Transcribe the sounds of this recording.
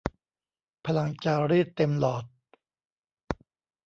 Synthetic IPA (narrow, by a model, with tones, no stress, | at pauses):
pʰa˧la˧ŋt͡ɕaː˧ɾiː˥˩t̪ːe˧mlɔː˨˩t̪̚